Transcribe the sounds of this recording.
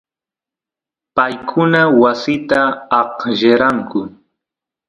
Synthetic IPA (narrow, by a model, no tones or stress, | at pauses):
pajkʰʊnawasɪt̪aːqʒeɾaŋkʊ